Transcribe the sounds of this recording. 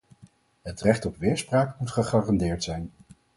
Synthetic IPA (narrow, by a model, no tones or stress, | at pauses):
ɦətrɛχtɔpʋɪːɹspraːkmutχəχaːrɑndɪːɹtsɛjn